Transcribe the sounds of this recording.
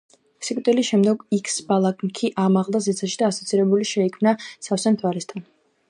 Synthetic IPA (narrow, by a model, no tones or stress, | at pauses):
sikʼt̪ʼilisʃɛmd̪ɛɡikʰsbalˠakʼmkʰiʔamaʁlˠd̪azɛt̪sʰaʃid̪aːsɔt̪sʰiɾɛbuliʃɛikʰmnasafsɛmt̪ʰwaɾɛst̪ʰan